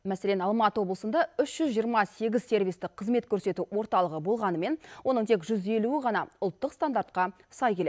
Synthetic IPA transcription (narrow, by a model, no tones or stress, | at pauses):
mæse̞lenɑlˠmɑt̪əwo̞blˠəsənd̪ɑʏʃʒ̥ʏzʒijəɾmɑse̞ɡʲɪzse̞rvijst̪ɪqqʰːəzme̞t̪kʲʰɵɾse̞t̪uwo̞ɾt̪ɑlˠəʁəbo̞lˠʁɑnəme̞nwʔo̞nəɴt̪ʰe̞k̬ʒʏze̞luɪʁɑnɑʊlˠt̪ːəqst̪and̪aɾt̪̚qɑ | sɑjkʲele